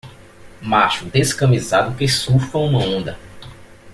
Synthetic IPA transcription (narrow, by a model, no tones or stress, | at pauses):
maʃud̪eskɐ̃mizad̪ʊkesufɐũmɐõnd̪ɐ